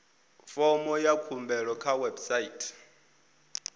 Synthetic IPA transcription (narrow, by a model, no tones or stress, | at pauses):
fɔmɔjakʰumbɛɺɔkʰawɛbsaitʰʼ